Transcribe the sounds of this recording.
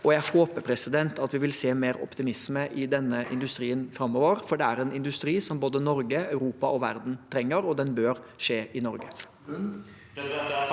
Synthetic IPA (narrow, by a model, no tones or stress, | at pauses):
ɔjæɪhoːpəpʰɾɛsɪd̪ɛnt̪ʰɑt̪ʋɪʋɪlseːmeːɾɔ̰pt̪ɪmɪsməʔɪd̪ɛnːəʔɪ̰nd̪ʉst̪ɾiːənfɾɑmːɔːʋəɾfɔɖɛæɾɛnɪnd̪ʉst̪ɾiːsɔmboːd̪ənɔɾɡəɑʉɾuːpɑʔɔʋæ̰ɾd̪n̩t̪ʰɾɛŋːəɾɔd̪ɛnbøːɾ | ʂeːʔɪnɔɾɡə